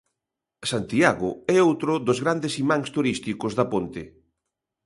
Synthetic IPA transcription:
sant̪iaɣʊ̰ɛowt̪ɾʊðozɣɾand̪esimaŋst̪uɾist̪ikozðɐpont̪ɪ

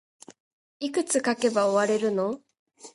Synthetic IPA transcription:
ikɯ̟t͡sɨkake̞baoβaɾe̞ɾɯ̟no̞

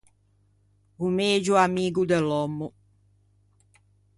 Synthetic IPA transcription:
umeːd͡ʒuamiːɡud̪ɛlɔmːu

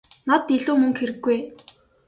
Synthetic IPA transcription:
nat̪ːiɮuːmɵ̆ŋkxeɾɘ̆ɡːuj

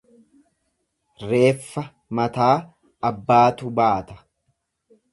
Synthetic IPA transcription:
ɾe̞ːfːɐ | mɐt̪aː | ɐbːaːt̪ʊbaːt̪ɐ̥

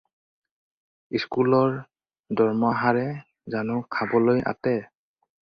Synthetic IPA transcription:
iskulɔɹ | dɔɹmaɦaɹɛ | zanʊkʰabɔlojʔa̰tɛ

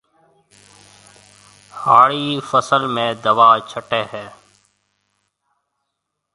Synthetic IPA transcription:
aːɽiːfəsəlmẽːd̪əʋaːt͡ʃʰəʈeːɦɛː

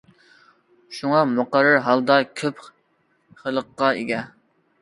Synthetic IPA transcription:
ʃuŋɑmoqɑɾːɑɾɦɑlˠd̪ɑkʲʰøp | χəlˠəqːɑeɡʲɛ

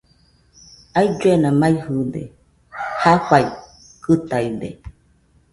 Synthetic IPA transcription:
aid͡ʒuenãmãihɨdḛ | hakʷai | kɨt̪aidḛ

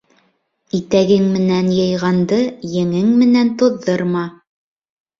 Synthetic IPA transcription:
it̪æɡɘŋmɘ̆nænjɤ̆jʁɑnd̪ɤjɘ̆ŋɘŋmɘ̆nænt̪ŏðːɤɾmɑ

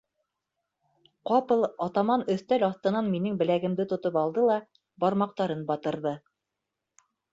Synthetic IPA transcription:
qɑpɤlˠɑt̪ɑmɑnɵ̆θt̪ælɑθt̪ɤ̆nɑnminɘŋbɘ̆læɡɘ̆md̪ɘt̪ŏt̪ɤpɑlˠd̪ɤlˠɑ | bɑɾmɑq̚t̪ɑɾɤnbɑt̪ɤ̆ɾðɤ

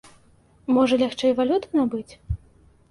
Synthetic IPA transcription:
mɔʐɐlʲaxt͡ʂɛjvalʲut̪ɨnabɨt͡sʲ

